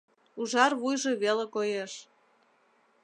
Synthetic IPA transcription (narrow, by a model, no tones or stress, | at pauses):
uʒɑrβujʒeβelekojeʃ